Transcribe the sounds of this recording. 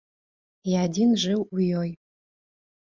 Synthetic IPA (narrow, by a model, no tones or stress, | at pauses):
jaːdinʐʷɨwjoj